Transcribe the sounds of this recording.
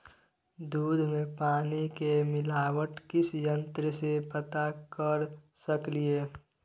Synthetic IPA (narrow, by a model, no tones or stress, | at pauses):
d̪uːd̪ʱmẽpaːnikemɪlaːwəʈkɪsjə̃nt̪ɾəsepət̪akəɾ | səklieː